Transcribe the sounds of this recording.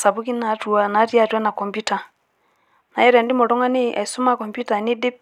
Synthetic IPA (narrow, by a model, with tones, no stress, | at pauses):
sa˨bu˦ki˦na˨tu˨a˦na˨˦ti˦a˦˨twa˦na˨kɔ˨mbu˦ta˨ | na˨jɛ˦ɾa˨ndi˦mɔ˨ɾɔ˦ŋa˦ni˦ʔa̰˨i˨su˦ma˦kɔ˨mbju˦ta˨ni˦di˦p̚